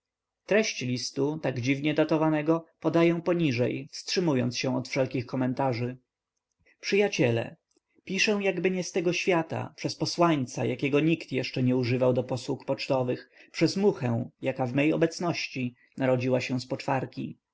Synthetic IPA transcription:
t̪ɾɛɕt͡ɕlʲist̪ut̪aɡd͡ʑivɲɛd̪at̪ɔvanɛɡɔpɔd̪ajɛw̃pɔɲiʐɛjfstʂɘmujɔnt̪sɕɛ̃w̃ɔt̪fʂɛlkʲixkɔmɛnt̪aʐɘ | pʂɘjat͡ɕɛlɛ̰ | pʲiʂɛ̃w̃jaɡbɘɲɛst̪ɛɡɔɕfʲjat̪a̰pʂɛspɔswaɲt̪sa̰jakʲɛɡɔɲikt̪jɛʂt͡ʂɛɲɛuʐɘvawd̪ɔpɔswukpɔt͡ʂt̪ɔvɘxpʂɛzmuxɛw̃jakavmɛjɔ̰bɛt̪snɔɕt͡ɕi | naɾɔd͡ʑiwaɕɛ̃spɔt͡ʂfaɾkʲḭ

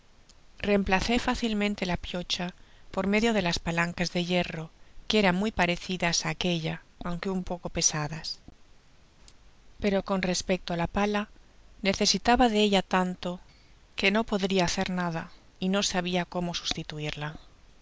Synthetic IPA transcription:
re̞mplaθe̞faθilmẽnt̪e̞lapjo̞t͡ʃapo̞ɾme̞ðjo̞ð̞e̞laspalaŋkazðe̞ʝe̞ro̞keeɾammujpaɾe̞θiðasake̞ʎa | awŋke̞umpo̞ko̞pe̞saðas | pe̞ɾo̞ko̞nre̞spe̞k̚t̪oalapalane̞θe̞sit̪aβaðeeʎat̪ant̪o̞ | ke̞no̞po̞ðɾiaːθe̞ɾnaða | ino̞saβ̞iako̞mo̞su̥st̪it̪uiɾla

